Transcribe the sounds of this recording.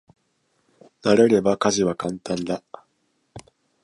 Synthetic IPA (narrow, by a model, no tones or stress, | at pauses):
naɾe̞ɾe̞bakaʑiβakãnt̪ãnd̪a